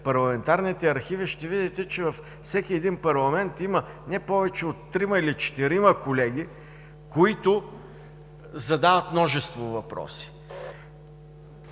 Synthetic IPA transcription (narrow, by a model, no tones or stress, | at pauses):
pɐɾlˠɐmɛnt̪aɾnit̪ɛɐɾxiviʃt̪ɛvid̪ɛt̪ɛt͡ʃɛvɐf | sɛkʲiɛd̪inpɐɾlˠɐmɛnt̪imənɛpɔvɛt͡ʃɛot̪ːɾimɐilit͡ʃɛ̥t̪iɾiməkolɛɡ̟ʲi | koit̪ʊ | zɐd̪avɐt̪mnɔʒɛst̪vovɐpɾɔ̰si̥